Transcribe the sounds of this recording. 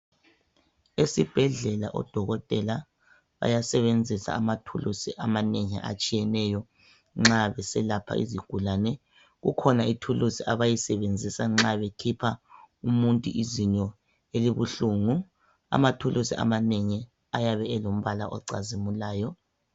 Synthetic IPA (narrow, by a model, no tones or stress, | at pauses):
esib̥ʱɛɮɛla̰ʔɔ̰d̥ʱɔɣɔtʼɛla | βa̰jasɛβend͡zʱisa̰ːmatʰulusiʔamaneŋḭʔa̰t͡ʃʼijɛnɛjɔ | ŋ͡ǁaβɛsɛlapʰa̰ʔḭziɡ̥ʱulanɛ | ɣukʰɔnaitʰulusiʔaβajisɛβend͡zʱisaŋ͡ǁaβekʰipʰaumuntʼṵʔiziɲɔ | eliβuɬuŋu | a̰matʰulʔusḭʔa̰maneŋi | ajaβɛɛlom̩βala̰ʔɔ̰ǀa̰zimulaːjɔ